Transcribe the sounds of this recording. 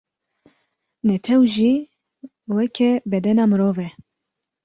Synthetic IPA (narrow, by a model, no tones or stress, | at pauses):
nɛt̪ʰɛwʒiː | wɛkʰɛbɛd̪ɛnɑːmɨɾoːvɛ